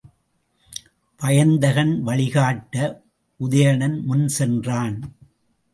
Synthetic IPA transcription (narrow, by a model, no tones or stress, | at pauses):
pɐjɐnd̪ɐɣɐnʋɐɭɪɣaːʈːɐ | ʔʊðɐjɐɳɐnmʊnsɛndraːn